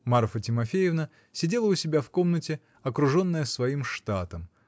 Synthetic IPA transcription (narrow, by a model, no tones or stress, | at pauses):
maɾfətʲɪmɐfʲejɪvnə | sʲɪdʲe̞lˠəʊsʲɪbʲafko̞mnətʲɪ | ɐkɾʊʐo̞nːəjəsvɐimʂt̪at̪əm